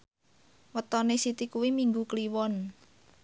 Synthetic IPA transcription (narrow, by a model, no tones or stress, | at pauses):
wət̪ɔnesit̪ikuwimiŋɡukliwɔn